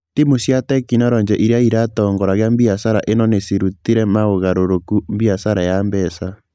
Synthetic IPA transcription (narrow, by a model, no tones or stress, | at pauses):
timosjatɛkinɔɾɔɲd͡ʒɛʔiɾeaiɾatɔːŋɡɔɾaɣeambiasaɾaʔenɔnesiɾutiɾɛmaoɣaɾoɾokumbiasaɾajambɛsa